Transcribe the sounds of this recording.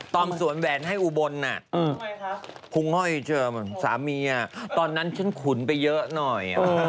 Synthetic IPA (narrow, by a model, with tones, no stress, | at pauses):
t̪ɔː˧msu˨˩˦ənwɛː˨˩nɦa˥˩jʔu˧˩bo˧nːa˨˩ʔː | pʰu˧ŋhɔ˥˩jt͡ɕɤː˧˨˩saː˩˦miː˧ʔa˨˩t̪ɔː˧nːa˦˥nt͡ɕʰa˦˥nkʰu˩˦npa˧jːɤ˦˥ʔnɔ˨˩j